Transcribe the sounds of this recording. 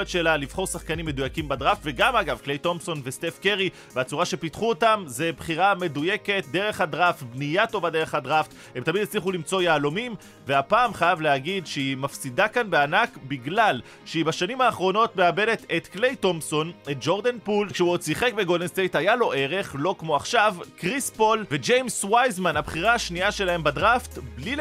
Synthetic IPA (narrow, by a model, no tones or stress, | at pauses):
etʃelalivχo̞ʁsaχkanimːe̞dujakimbad̪ʁaftve̞ɡamaɡavklejto̞mso̞nveste̞fke̞ʁi | bat͡suʁaʃe̞pitχuotamze̞bχiʁame̞duje̞ke̞t̚d̪e̞ʁe̞χhadʁaftbnijato̞bade̞ʁeχhadʁaft̪ | he̞mt̪amidet͡sliχulimt͡so̞jaːlomim | veapaːmχajavleaɡidʃeimafsidakanbeanakbiɡlal | ʃeibaʃanimaːχʁo̞no̞tme̞abe̞de̞t̪et̪kle̞jto̞mso̞net̪̚d͡ʒo̞ʁd̪anpulkʃeuot͡siχekbeɡodenst̪ejt̪hajalo̞ʔe̞ʁe̞χlo̞kmo̞aχʃavkʁispo̞lved͡ʒejmswajzmanabχiʁaːʃniaʃe̞lahe̞mbadʁaftbli